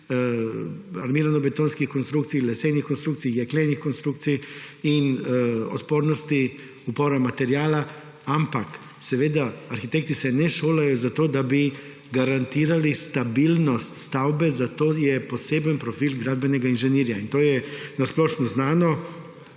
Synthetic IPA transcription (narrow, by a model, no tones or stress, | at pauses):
a̰ɾmiːɾanɔbɛt̪oːnskixkɔnst̪ɾukt̪sijlɛsejnixkɔnst̪ɾukt̪sijjɛklenixkɔnst̪ɾukt̪sijinɔ̰t̪poːɾnɔst̪i | upɔːɾamat̪ɛɾjaːla | ampak | sɛʋeːd̪aaɾxit̪ek̚t̪isɛnɛʃoːlajɔzat̪oːd̪abi | ɡaɾant̪iːɾalist̪abilnɔst̪st̪awbɛzat̪oːjɛpɔseːbənpɾɔfiːlɡɾaːd̪̚bɛnɛɡainʒɛniːɾjaint̪oːjɛnasplɔʃnɔznaːnɔ